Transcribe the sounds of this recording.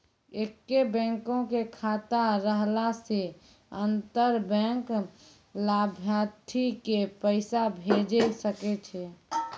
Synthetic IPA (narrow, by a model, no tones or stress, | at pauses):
ekːebɛ̃ŋkõkekʰat̪aɾəɦlase | ənt̪əɾbɛ̃ŋk | labʱjat̪ʰːikepəɪsabʱed͡ʒesəket͡ʃʰɛ